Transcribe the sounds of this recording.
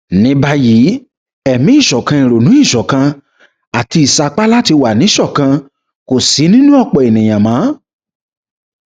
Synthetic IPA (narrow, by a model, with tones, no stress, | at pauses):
nĩ˨˦ba˧ji˨˦ | ɛ˨mĩ˨˦i˦˨ʃɔ˨kã˧ĩ˨ɾo˨nũ˨˦i˦˨ʃɔ˨kã˧ | a˨ti˧i˨sa˨k͡pa˦la˦ti˧wa˨nĩ˨˦ʃɔ˦˨kã˧ | ko˨si˨˦nĩ˦nũ˦ɔ˦˨k͡pɔ˨e˨nĩ˨j̃ã˨mã˨˦